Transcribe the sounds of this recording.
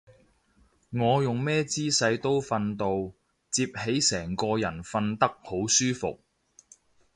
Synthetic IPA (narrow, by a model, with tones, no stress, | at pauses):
ŋɔː˨˧jʊ˨ŋmɛː˥t͡siː˥sɐ˨˧jt̪o˥wfɐ˧nt̪o˧w | t͡siː˧p̚he˨˥jsɛː˨˩ŋkɔː˧jɐ˨˩nfɐ˧nt̪ɐ˥k̚ho˨˥wsyː˥fʊ̰˨k̚